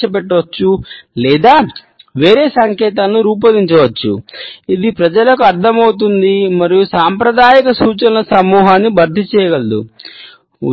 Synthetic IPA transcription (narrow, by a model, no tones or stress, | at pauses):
t͡ʃɐp̬ɛʈːɐʋɐt͡ʃːulɛːd̪aː | ʋeːɾeːsɐŋkɛːt̪aːnːuɾuːp̬ɐd̪iɲt͡ʃɐʋɐt͡ʃːuid̪ipɾɐd͡ʒɐlɐkuɐɾd̪ʰʱɐmɐwut̪̬und̪imɐɾijusaːmpɾɐd̪aːjikɐsuːt͡ʃɐnɐnɐsɐmuːɦaːnːibʱɐɾd̪ʱit͡ʃɛːjɐɡɐld̪ṵ